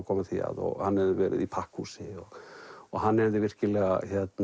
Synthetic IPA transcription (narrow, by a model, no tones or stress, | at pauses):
kʰɔːmat̪ʰia̰ðɔ̰ɣhanːhɛvðɪvɛːɾɪ̰ðipʰahkhusɪɔɔɣɦanːɛvðɪvɪr̥cɪlɛːɣa̰çjɛt̪n